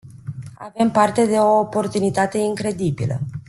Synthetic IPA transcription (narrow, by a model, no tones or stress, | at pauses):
a̰ve̞mpart̪e̞d̪e̞o̞ːpo̞rt̪unit̪at̪e̞iŋkɾe̞d̪ibḭlə̰